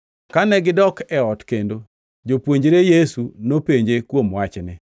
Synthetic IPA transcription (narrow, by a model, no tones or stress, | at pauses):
kanɛɡɪdɔkɛɔtkendo | d͡ʒopwoɲd͡ʒɾejesunopeɲd͡ʒekwomwat͡ʃnɪ